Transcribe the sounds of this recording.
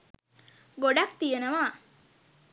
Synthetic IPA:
ɡoɖakt̪ijenəʋaː

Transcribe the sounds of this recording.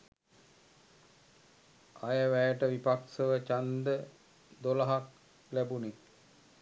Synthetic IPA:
ajəʋæjəʈəʋipaksəʋət͡ʃand̪ə | d̪olaɦak̚ | læbune

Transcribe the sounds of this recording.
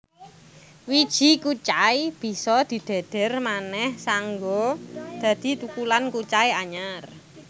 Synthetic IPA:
wid̥ʒ̥i̤kut͡ʃaib̥i̤sɔd̪̥i̤d̪̥e̤d̪̥ɛ̤rmanɛhsaŋɡod̪̥ä̤d̪̥i̤t̪ukulankut͡ʃaiaɲar

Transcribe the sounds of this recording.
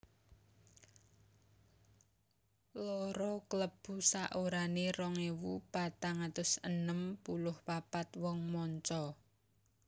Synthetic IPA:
lɔɾɔkləb̥ṳsaʔoɾanerɔŋewupat̪aŋat̪ʊsənəmpulʊhpapat̪wɔŋmɔɲt͡ʃɔ

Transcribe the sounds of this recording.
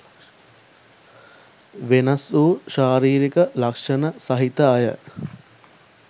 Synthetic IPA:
ʋenɐsuːʃaːɾiːɾikəlɐkʂɐnəsɐɦit̪əːjə̰

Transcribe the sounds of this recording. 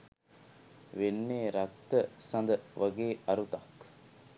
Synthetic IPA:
ʋenːeːɾɐkt̪ːəsɐ̃nd̪əʋɐɡeːɐɾut̪ɐk

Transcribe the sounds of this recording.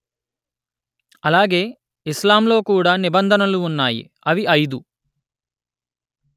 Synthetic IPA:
ɐlaːɡe̞ː | islaːmlo̞ːkuːɽaːnibɐnd̪ʱɐnɐluːnːaːjḭ | ɐʋiʔɐjd̪u

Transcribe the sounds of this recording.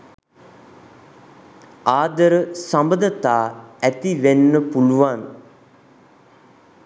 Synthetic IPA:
aːd̪əɾəsambəd̪ət̪aːæt̪iʋenːəpuluʋan

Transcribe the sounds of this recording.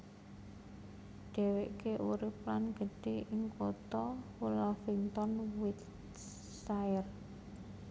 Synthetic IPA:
ɖ̥ɛ̤weʔkeʔuɾɪp̚lanɡ̥ə̤ɖ̥eʔɪŋkot̪ɔulɔfint̪ɔnwit̪ | sajər

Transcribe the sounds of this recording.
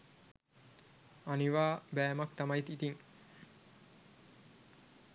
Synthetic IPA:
aniʋaːbæːmakt̪amajt̪it̪iŋ

